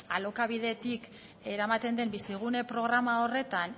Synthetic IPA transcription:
alo̞kaβ̞iðe̞t̪ik | e̞ɾamat̪e̞nd̪e̞mbisiɣ̞une̞pɾo̞ɣ̞ɾamao̞re̞t̪an

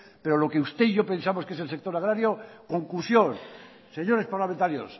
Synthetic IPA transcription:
pe̞ɾo̞lo̞keust̪e̞iʝo̞pe̞nsamoske̞s̬else̞kt̪o̞ɾaɣ̞ɾaɾjo̞ko̞ŋkusjon | se̞ɲo̞ɾe̞spaɾlament̪aɾjo̞̰s

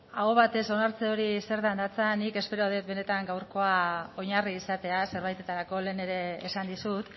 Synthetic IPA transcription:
aɣo̞βat̪e̞so̞naɾt͡seo̞ɾise̞ɾðand̪at͡sanike̞spe̞ɾoðe̞t̪be̞ne̞t̪aŋɡawɾko̞ao̞ɲariːsat̪e̞ase̞ɾβajt̪e̞t̪aɾako̞le̞ːne̞ɾe̞ːsand̪isut̪

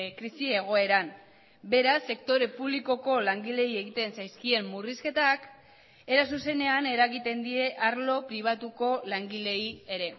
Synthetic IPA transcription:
kɾisie̞ɣ̞o̞e̞ɾan | be̞ɾasːe̞kt̪o̞ɾe̞puβliko̞ko̞laŋɡile̞ie̞ɣit̪e̞nsajskie̞mːuriske̞t̪ak | e̞ɾas̬use̞ne̞ane̞ɾaɣit̪e̞nd̪ie̞ʔaɾlo̞pɾiβ̞at̪uko̞laŋɡile̞ie̞ɾe̞

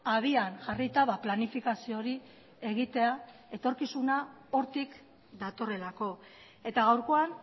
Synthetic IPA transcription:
aβianʝarit̪aβaplanifikasio̞ɾi | e̞ɣit̪e̞ae̞t̪o̞ɾkisuna | o̞ɾt̪ik | d̪at̪o̞re̞lako̞ | e̞t̪aɣawɾko̞an

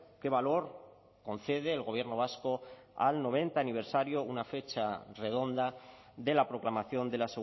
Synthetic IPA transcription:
ke̞βalo̞ɾ | ko̞n̟θe̞ð̞e̞ːlɣo̞β̞je̞ɾno̞βasko̞ | a̰lno̞β̞e̞nt̪aːniβe̞ɾsaɾjo̞unafe̞t͡ʃare̞ð̞o̞nd̪a | d̪e̞lapɾo̞klamaθjo̞nd̪e̞laseɣ

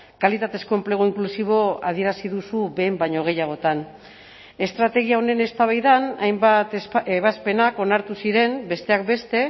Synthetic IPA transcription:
kalit̪at̪e̞sko̞emple̞ɣ̞oiŋklusiβ̞o̞a̰ð̞ie̞ɾasiðusuβe̞ːmbaɲo̞ɣ̞e̞jaɣ̞o̞t̪an | e̞st̪ɾat̪e̞ɣ̞iao̞ne̞ne̞st̪aβ̞ajðanajmbat̪eβaspe̞nako̞naɾt̪usiɾe̞mbe̞st̪e̞ak̚be̞st̪e̞

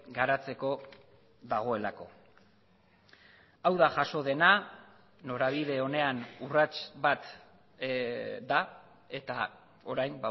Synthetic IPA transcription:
ɡaɾat͡se̞ko̞ | ðaɣ̞o̞e̞lako̞̰ | awðaʝaʃo̞ðe̞na | no̞ɾaβiðe̞o̞ne̞anurat͡ʃβat̪ | d̪a | e̞t̪a̰ | o̞ɾajmba

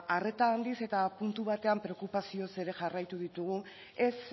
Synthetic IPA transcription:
are̞t̪aːnd̪ise̞t̪apunt̪uβ̞at̪e̞ampɾe̞okupasio̞se̞ɾe̞ʝarajt̪uðit̪uɣ̞u | e̞s

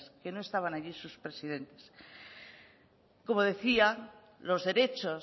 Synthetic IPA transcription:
ske̞no̞est̪aβanaʎisuspɾe̞sið̞e̞nt̪e̞̥s | ko̞mo̞ð̞e̞θia | lo̞zðe̞ɾe̞t͡ʃo̞

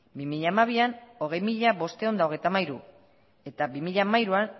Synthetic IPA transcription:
bimiʎaːmaβ̞iano̞ɣ̞e̞jmiʎaβo̞st̪e̞o̞nd̪aoɣ̞e̞jt̪amajɾu | e̞t̪abimiʎamajɾuan

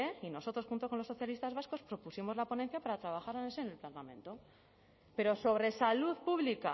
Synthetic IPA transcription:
eino̞so̞t̪ɾoxunt̪o̞konlo̞sːo̞θjalist̪azβasko̞spɾo̞pusimo̞zlapo̞nenθjapaɾat̪ɾaβaxaɾanesenelplant̪amẽ̞̰nt̪o̞ | pe̞ɾo̞so̞β̞ɾe̞saluðpuβlika̰

